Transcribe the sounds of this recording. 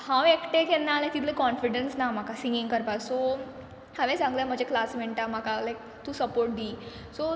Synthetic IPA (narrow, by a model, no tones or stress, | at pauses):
hãwekʈekenːalat̪it̪ʰləekɔnfiɽənsnam̤akasĩŋɡiŋkəɾpaso | haʋẽsãŋɡləm̤əd͡ʑeklasmeɳʈam̤akalajk̚ | t̪usəpoɾʈ̚d̪iː | so